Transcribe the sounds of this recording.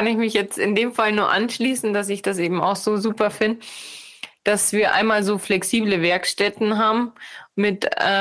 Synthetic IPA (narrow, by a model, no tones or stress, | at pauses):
anɪçmɪçjɛt͡stɪndeːmfalənuːɐʔanʃliːsn̩d̥as̬ɪçd̥as̬ʔeːbm̩a̰ʊxz̥oːzuːpɐfɪndə | d̥asv̥iːɐʔa̰ɪnmaːlzoːflɛksiːbləvɛɐkʃtɛtn̩ɦaːbm̩mɪtɛ